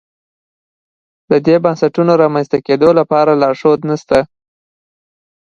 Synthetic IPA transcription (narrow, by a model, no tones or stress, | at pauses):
d̪əd̪ebɑnsaʈunoɾɑmanst̪aked̪olapɑɾalɑɾʂod̪nast̪a